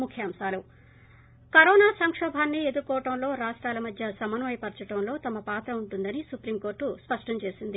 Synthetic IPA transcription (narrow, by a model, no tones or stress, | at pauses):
mukʰjɐːmʃaːlu | kɐɾɔːnaːsɐŋkʂɔːbʱaːnːied̪ukːɔːʈɐmlo̞ːɾaːʂʈɾaːlɐmɐd̪ʱjɐsɐmɐnɐmɐjpɐɾt͡ʃɐʈɐmlo̞ːt̪ɐmɐpaːt̪ɾɐuɳʈund̪ɐnisupɾiːmko̞ːɾʈːuspɐʂʈɐɲt͡ʃe̞ːsind̪i